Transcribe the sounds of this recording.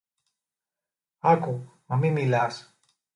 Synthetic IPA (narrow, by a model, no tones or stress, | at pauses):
akumamimilas